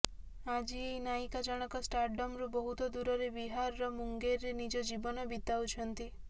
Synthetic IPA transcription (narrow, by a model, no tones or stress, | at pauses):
ad͡ʒiejnaikad͡ʒɔɽ̃ɔkɔsʈaɾɖɔmɾubɔɦut̪ɔd̪uɾɔɾebiɦaɾːɔmuŋɡeɾːenid͡ʒɔd͡ʒibɔnɔbit̪awt͡ʃʰɔnt̪i